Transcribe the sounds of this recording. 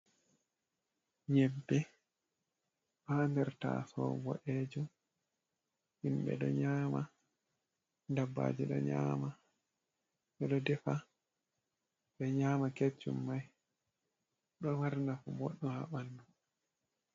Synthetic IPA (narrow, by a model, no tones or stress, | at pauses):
ɲɛbːɛ | handɛɾta̰ːsɔ̰bɔ̰ʔed͡ʒum | hinɓɛ̰ɗɔɲaːma | dabːa̰ːd͡ʒiɗɔ̰ɲa̰ːma | ɓɛɗɔdɛfa | ɓɛɲaːmaket͡ʃːumːaj | ɗɔwaɾnafɔbɔɗːɔha̰ɓandu